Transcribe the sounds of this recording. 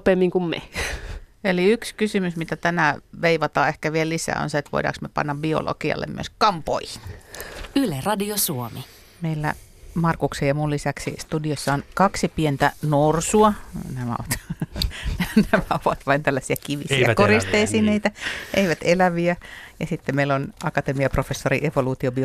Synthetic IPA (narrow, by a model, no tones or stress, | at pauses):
pemːiŋkummḛ | eliykskysymysmit̪æt̪ænæʋeiʋɑt̪ɑːehkæʋiellisæ̰o̰nseet̪ʋo̰idɑ̰ːksmepɑ̰nːɑbio̰lo̰kiɑ̰lːḛmy̰ø̰skɑmpo̰ihi̥n | ylerɑdiosuomi | meilːæ̰ | mɑrkuksejjɑmullisæksḭst̪udiosːɑonkɑksipient̪ænorsuɑnæmæo̰ʋɑt̪ | nnæmæoʋɑt̪ʋɑint̪ælːæsiækiʋisiɑkorist̪eisiːneit̪æeiʋæt̪elæʋiæjɑsit̪ːemeilːonɑkɑt̪emiɑprofesːorḭʔeʋoluːt̪iobio